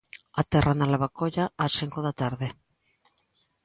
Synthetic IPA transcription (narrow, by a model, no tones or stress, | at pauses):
at̪ɛranalaβakoʎaasiŋkoðat̪aɾðe